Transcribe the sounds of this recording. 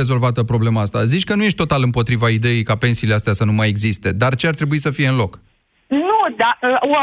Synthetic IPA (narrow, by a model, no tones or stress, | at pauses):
ezo̞lvat̪əpɾo̞ble̞maast̪a̰zit͡ʃʲkənuje̞ʃ̬t̪t̪o̞t̪alɨmpo̞t̪ɾivaid̪e̞jejkape̞nsile̞ast̪easənumajeɡzist̪e̞d̪art͡ʃeart̪ɾe̞buisəfije̞ɨnlo̞k | nud̪aə